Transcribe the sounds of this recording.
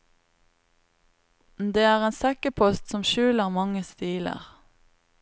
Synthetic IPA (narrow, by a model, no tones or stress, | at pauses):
d̪eːæːʁeːnsɛkəpʰɔst̪sɔmʃʉːləʁmɑŋəst̪iːlə̰ʁ